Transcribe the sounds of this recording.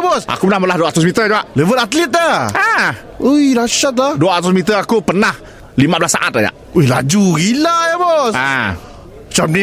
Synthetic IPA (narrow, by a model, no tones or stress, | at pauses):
bɔsʔa̰kupənahməlahduaʔt̪ʊsmit̪əd͡ʒaʔləvət̪at̪lit̪̚ːaa | ujɾaʃat̪̬̚aduaʔt̪usmit̪̬əakupənah | limaʔbəlasa̰ʔat̪̚aja̰ʔ | uila̰d͡ʒuɡilajabɔsa | t͡ʃap̚ni